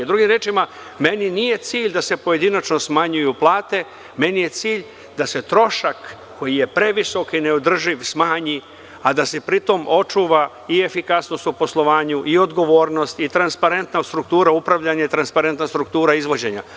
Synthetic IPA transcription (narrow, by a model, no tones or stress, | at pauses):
d̪ɾuɡimɾeːt͡ʃima | me̞ninije̞t̪siːʎd̪ase̞po̞je̞d̪inat͡ʃno̞smaɲujuplˠaːt̪e̞ | me̞nije̞t̪siːʎ | d̪ase̞t̪ɾo̞ʃakː | o̞jije̞pɾe̞ʋiso̞kineod̪r̩ʒiʋsmaːɲi | ad̪ase̞pɾit̪o̞mʔo̞t͡ʂuʋa | ie̞fikasno̞st̪upo̞slˠo̞ʋaːɲuʔio̞d̪ɡo̞ʋo̞ːɾno̞st̪it̪ɾanspaɾe̞nt̪nast̪ɾuk̚t̪uːɾaupɾaʋʎaɲait̪ɾanspaɾe̞nt̪nast̪ɾukt̪uːɾaizʋo̞d͡ʑe̞ɲa̰